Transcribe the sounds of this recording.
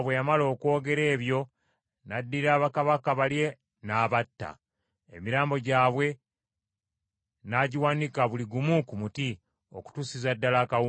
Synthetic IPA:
βwejamalo̞ːkwo̞ːɡe̞ɾe̞ːβjo̞ | nadːiɾaːβakaβakaβalje̞ | naːβatːa̰ | emiɾaːmbo̞ɟaːβwe̞ | naɟiwaːnikaβuliɡumukumuti | oku̥tusizadːalakau

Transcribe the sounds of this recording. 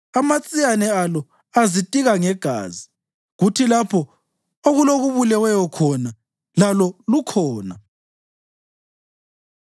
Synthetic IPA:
amat͡sʼijanɛalɔ | azitʼiɣaŋɛɡ̥ʱa̰ːzi | ɣutʰilapʰɔ | oɣuloɣuβulɛwɛjɔkʰɔna | lalɔlukʰɔːna

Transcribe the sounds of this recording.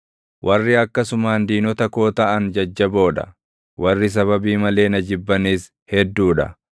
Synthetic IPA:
wʔɐrːɪɐkːɐsʊmaːnd̪iːnɔt̪ɐko̞ːt̪ɐʔɐnd͡ʒɐd͡ʒːɐbo̞ːᶑ̪ɐ̰ | wɐrːɪs̬ɐβɐbiːmɐle̞ːnɐd͡ʒɪbːɐniːs | hɛd̪ːuːᶑɐ̰

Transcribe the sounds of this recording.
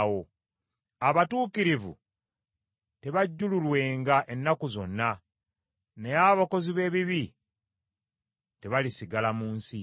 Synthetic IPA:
wo̞ | aβatuːkiɾivṵ | te̞βaɟːululwe̞ːŋɡaʔe̞nːakuzo̞nːa | ne̞aβako̞ziβe̞ːβiβi | te̞βalisiɡalamuːnsi

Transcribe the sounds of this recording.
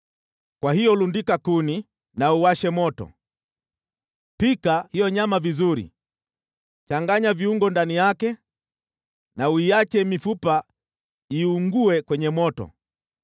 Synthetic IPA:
kwahijɔlundikakuni | nauwaʃɛmɔtɔ̰ | pikahijɔɲamavizuɾḭ | t͡ʃaŋɡaɲaviuŋɡɔndanijakɛ | nauijat͡ʃɛmifupa | iuŋɡuɛkwɛɲɛmɔtɔ̰

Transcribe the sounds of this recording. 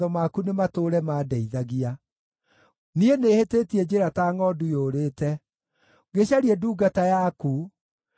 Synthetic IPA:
ɔmakunematoːɾɛmaːdɛiðaɣia | nienehetetiɛd͡ʑeɾataːŋɔdujoɾeːtɛ | ɡeɕaɾiɛduːɡatajaku

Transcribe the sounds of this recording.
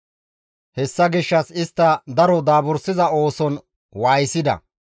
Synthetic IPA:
hɛsːɐɡɪʃːɐsɪst̪ːɐd̪ɐɾɔd̪aːbʊɾsɪzɐo̞ːsɔn | waːjsɪd̪ɐ̰

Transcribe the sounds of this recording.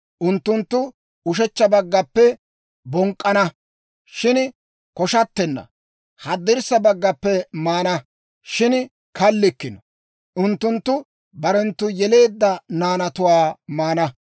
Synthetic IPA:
ʔʊnt̪ːʊnt̪ːʊ | ʊʃɛt͡ʃːɐbɐɡːɐpːɛ | bɔŋkʼːɐnɐ | ʃɪn | kɔʃɐt̪ːɛnːɐ̰ | hɐd̪ːɪɾsːɐbɐɡːɐpːɛmaːnɐ | ʃɪn | kɐlːɪkːɪnɔ | ʔʊnt̪ːʊnt̪ːʊ | bɐɾɛnt̪ːʊjɛle̞ːd̪ːɐnaːnɐt̪ʊwaːmaːnɐ

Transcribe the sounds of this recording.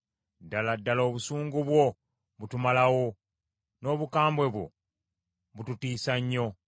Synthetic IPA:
dːaladːalo̞ːβusuːŋɡuβwo̞ | βutumalawo | no̞ːβukaːmbwe̞βwo̞̰ | βututiːsaɲːo̞

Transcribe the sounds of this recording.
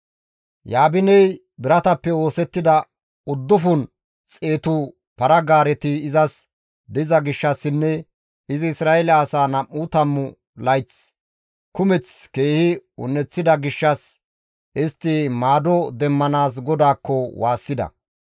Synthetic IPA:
jaːbɪnɛj | bɪɾɐt̪ɐpːɛwo̞ːsɛt̪ːɪd̪ɐ | ʊd̪ːʊfʊn | t͡sʼe̞ːt̪u | pɐɾɐɡaːɾɛt̪ɪːzɐs | d̪ɪzɐɡɪʃːɐsːɪnːɛ | ɪzɪɪsɾaːɛlɐːsaːnɐmːuːt̪ɐmːʊ | lɐjt͡s | kʊmɛt͡ske̞ːhɪʊ̰nːɛt͡sːɪd̪ɐɡɪʃːɐs | ʔɪst̪ːɪmaːd̪ɔd̪ɛmːɐnaːs̬ɡɔd̪aːkːɔwaːsːɪd̪ɐ̰

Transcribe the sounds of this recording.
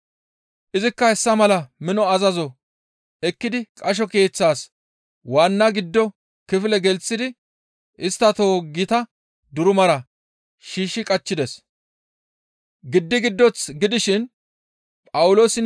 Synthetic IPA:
ʔɪzɪkːɐhɛsːɐmɐlɐmɪnɔɐzɐzɔ | ɛkːɪd̪ɪkʼɐʃ̬ɔke̞ːt͡sːaːs | waːnːɐɡɪd̪ːɔ | kɪfɪlɛɡɛlt͡sːɪd̪ɪ | ɪst̪ːɐt̪o̞ːɡɪt̪ɐ | d̪ʊɾʊmɐɾɐ | ʃiːʃːɪkʼɐt͡ʃːɪd̪ɛs | ɡɪd̪ːɪɡɪd̪ːɔt͡sɡɪd̪ɪʃɪn | pʼɐwʊlo̞ːsɪ

